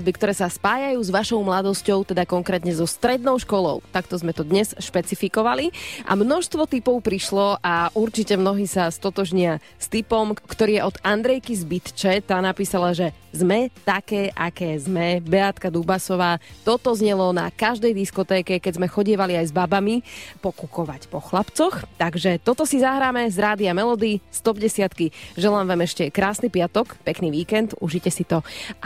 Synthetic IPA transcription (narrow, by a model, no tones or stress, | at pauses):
bikt̪ɔɾɛːsaspaːjajuːzʋaʃɔʊmlad̪ɔscɔʊt̪ɛd̪akɔŋkɾɛːt̪ɲɛzɔst̪ɾɛd̪̚nɔʊʃkɔlɔ̰ʊt̪akt̪ɔzmɛt̪ɔd̪ɲɛsʃpɛt͡sifikɔʋaliʔa̰mnɔʃst̪ʋɔt̪ipɔʊpɾiʃlɔʔaʔuɾt͡ʃicɛmnɔɦiːsast̪ɔt̪ɔʒɲɪa | st̪ipɔmkt̪ɔɾiːɛʔɔd̪and̪ɾɛjkizbit̪t͡ʃɛt̪anapiːsalaʒɛ | zmɛt̪akɛːʔakɛːzmɛbɛat̪kad̪ubasɔʋaːt̪ɔt̪ɔzɲɛlɔna̰kaʒd̪ɛjd̪iskɔt̪ɛːkɛkɛzmɛxɔɟɪɛʋaliajzbabamipɔkukɔʋacpɔxlapt͡sɔxt̪aɡʒɛt̪ɔt̪ɔsizaɦɾaːmɛzɾaːd̪iamɛlɔd̪ist̪ɔbɟɛsɪat̪kiʒɛlaːmʋamɛʃcɛkɾaːsnipɪat̪ɔkpɛkniːʋiːkɛnt̪uʒicɛsit̪ɔ